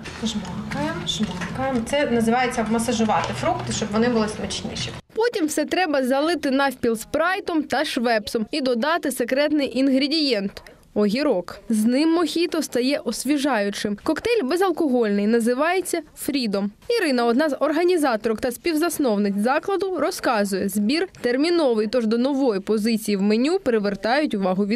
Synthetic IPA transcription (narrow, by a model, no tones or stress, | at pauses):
ʒmɔkɐjɛmʒmɔkɐjɐmt̪sɛnɐzɪʋɑjet͡sʲːɐmɐsɐʒʊʋɑt̪ɪfɾukt̪ɪʃt͡ʃɔbʋɔnɪbʊlˠɪsmɐt͡ʃnʲɪ̰ʃʲipɔtʲimfsɛt̪ɾɛbɐzɐlˠɪt̪ɪnɑfʲpʲilˠspɾɑjt̪ɔmt̪ɐʃʋɛpsɔmid̪ɔd̪ɑt̪ɪsekɾɛt̪nɪjʔinɦɾʲɪdʲijɛnt̪ | ɔɦʲiɾɔkznɪmːɔxʲit̪ɔst̪ɐjɛʔɔsʲʋʲiʒɑjʊt͡ʃɪmkɔkt̪ɛlʲbezɐlˠkɔɦɔlʲnɪjnɐzɪʋɑjet͡sʲːɐfɾʲid̪ɔmiɾɪnɐɔd̪nɑzɔrɦɐnʲizɑt̪ɔɾɔkt̪ɐsʲpʲiwzɐsnɔwnɪkʲzɑklˠɐd̪ʊɾɔskɑzʊjɛzbʲirt̪ermʲinɔʋɨjt̪ɔʒd̪ɔnɔʋɔjipɔzɪt͡sʲijiwmenʲupɾɪʋert̪ɑjʊtʲʊʋɑɦʊʋʲi